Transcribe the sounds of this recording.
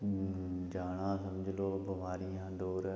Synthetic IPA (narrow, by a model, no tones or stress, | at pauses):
d͡ʒaːɽ̃ãːsɐmd͡ʑʱɪloːbɐʋaːɾijãːd̪oːɾ